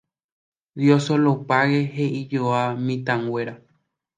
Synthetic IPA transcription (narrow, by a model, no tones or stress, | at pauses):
djosolopaɣeɦeʔid͡ʒoamĩt̪ãŋɡwe̞ɾa